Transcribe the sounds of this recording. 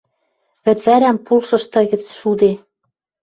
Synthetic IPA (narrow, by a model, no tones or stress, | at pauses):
βɘ̆t̪βæɾæmpulʃɤ̆ʃt̪ɤ̆ɣɘ̆t͡sʃud̪e